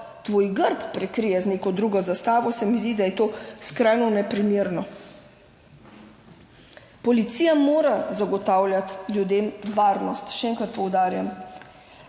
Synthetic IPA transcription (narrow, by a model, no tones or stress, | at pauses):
t̪ʋoːjɡəɾppɾɛkɾijɛzneːkɔd̪ɾuɡɔzast̪aːʋɔsɛmizd̪id̪ajɛt̪oːskɾajnɔnɛpɾimeɾnɔ | pɔlit̪siːjamoːɾazaɡɔt̪aːwljat̪ljud̪emʋaːɾnɔst̪ʃɛɛŋkɾat̪̚pɔwd̪aːɾjam